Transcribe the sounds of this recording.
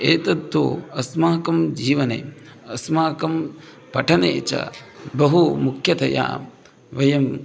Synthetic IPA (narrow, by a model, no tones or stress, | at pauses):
eːt̪ɐt̪ːo̰ːɐsmaːkɐmd͡ʒiːʋɐnḛːɐsmaːkɐm | pɐʈʰɐnḛːt͡ʃɐ̰bɐɦumukʰjɐt̪ɐja̰ː | ʋɐjɐm